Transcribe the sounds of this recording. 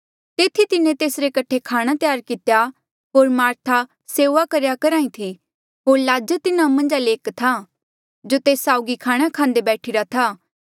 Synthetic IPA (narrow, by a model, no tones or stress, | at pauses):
t̪eːt̪ʰit̪ɪnẽt̪eːsɾekɐʈʰekʰaːɽ̃at̪jaːɾkɪt̪ja | ɦoːɾmaːɾt̪ʰa | seːʋakɐɾjakɐɾãːĩt̪ʰi | ɦoːɾlaːd͡ʒət̪ɪnãmɐ̃nd͡ʒaleːkt̪ʰa | d͡ʒot̪eːsːaːʊɡikʰaːɽ̃akʰãːnd̪ebɛːʈʰɪɾat̪ʰaː